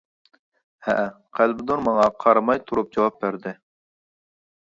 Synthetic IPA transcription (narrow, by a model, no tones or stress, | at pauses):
hæ̰ʔ | qʰælbɪd̪unmɑŋɑqʰɑɾmɑjt̪ʰuɾup̚d͡ʒɑwɑp̚bæɾd̪ɪ